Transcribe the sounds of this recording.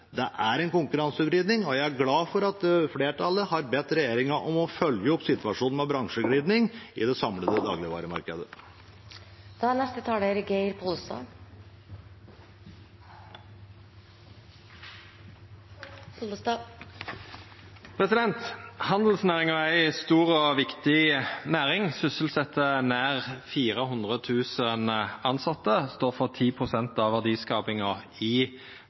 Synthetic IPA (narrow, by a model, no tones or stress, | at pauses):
d̪ɛʔæɾɛnkʊŋkʉɾɑnsʉʋɾiːd̪nɪŋɔjæɪæɾɡlɑːfɔɾɑt̪fleːʈʰɑlːəhɑɾbɛt̪ːɾɛjeːɾɪŋəʔɔmɔfœljəɔpːsɪt̪ʋɑʂuːnmɛbɾɑŋʂəɡɽiːd̪nɪŋɪd̪ɛsɑmləd̪əd̪ɑ̰ːɡlɪəʋɑ̰ːɾəmɑ̰ɾkəd̪ə | d̪̥ɑænɛst̪ət̪ʰɑːleɾɡeɪɾpʰɔlst̪ɑ̰ | pʰʁɛsɪd̪ɛnt̪hɑnd̪l̩snæːʁɪŋɔæɪst̪uːʁɔʋɪkt̪ɪnæːʁɪŋsʏsəl̩sɛt̪ʰːənæːʁfiːʁəhʊnd̪ʁət̪ʰʉːsənɑnsɑt̪ːəst̪oːʁfɔʁt̪ʰiːpʰʁʊsɛnt̪ɑʋæʁd̪iːskɑːpɪŋɑ | ɪ